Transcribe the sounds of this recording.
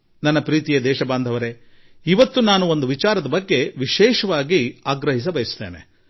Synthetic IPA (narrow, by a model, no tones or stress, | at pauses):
nɐnːɐpɾiːt̪ijɐd̪ɛːʃɐbaːnd̪ʱɐʋɐɾe | iʋɐt̪ːunaːnuo̞nd̪uʋit͡ʃaːɾɐd̪ɐbɐɡːe̞ʋiʃɛːʃɐʋaːɡiaːɡɾɐɦis̬ɐbɐjɐst̪ḛːnḛ